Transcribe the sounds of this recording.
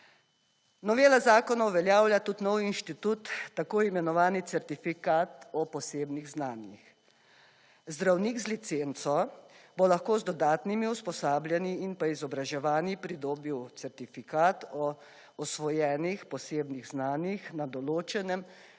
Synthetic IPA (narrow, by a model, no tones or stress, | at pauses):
nɔʋeːlazaːkɔnawʋɛljaːwljat̪ut̪nɔwinʃt̪it̪ut̪ːakoːimɛnɔʋaːnit̪sɛɾt̪ifikaːt̪ɔpɔseːbniɣznaːnjḭx | zd̪ɾawniːɡzlit̪sent̪sɔbolaxkoːzd̪ɔd̪aːt̪nimiuspɔsaːbljɛniːnpaizɔbɾaʒɛʋaːnipɾid̪oːbiwt̪sɛɾt̪ifikaːt̪ɔ | ɔsʋɔjɛːnixpɔseːbniɣznaːnjixnad̪ɔloːt͡ʃɛnɛm